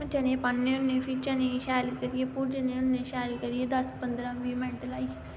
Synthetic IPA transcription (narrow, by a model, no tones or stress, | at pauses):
d͡ʒənẽːpənːẽːʊnːẽːpʰiːt͡ʃənẽːʃaːlkəɾijeːpʊɾd͡ʒənẽːʊnːẽːʃɛːlkəɾieːd̪əspənd̪ɾãːʋiːmɛ̃ʈəlaːiː